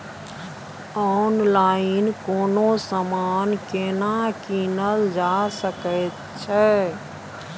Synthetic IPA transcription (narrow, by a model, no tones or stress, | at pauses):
ɔnlainkonosəmankenakinəld͡ʒasəkət̪ | t͡ʃʰɛ